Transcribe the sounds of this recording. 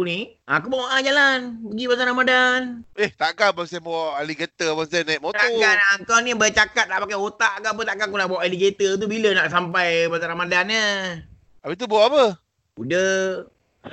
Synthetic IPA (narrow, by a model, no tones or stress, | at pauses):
uniak̬ubawaʔad͡ʒalanpəɡibat̪anamadaneht̪aʔkabaŋs̬abaaʔaliɡət̪əbaŋs̬anajʔmot̪aukanaŋkanibat͡ʃakat̪̚naʔpakaot̪aʔkap̬ət̪aʔkakunabawaʔaliɡet̪ət̪̬ubilənaʔs̬ampajbat̪anamadanə | abit̪̬ubawaʔapə | udə